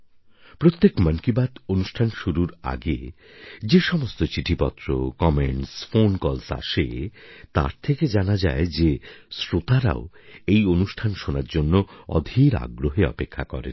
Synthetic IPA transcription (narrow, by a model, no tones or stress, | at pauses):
pɾot̪ːekmənkibad̪onuʃʈʰanʃuɾuɾa̰ɡe | d͡ʑeʃɔmost̪ot͡ɕiʈʰipɔt̪ːɾo̰kɔmeɳʈsfonkɔlsa̰ʃḛt̪a̰ɾt̪ʰeked͡ʑanad͡ʑa̰ed͡ʑesɾot̪aɾa̰oejonuʃʈʰanʃonaɾd͡ʑonːoɔ̰d̪ʱiɾa̰ɡɾoɦeɔ̰pekʰːakɔ̰ɾḛn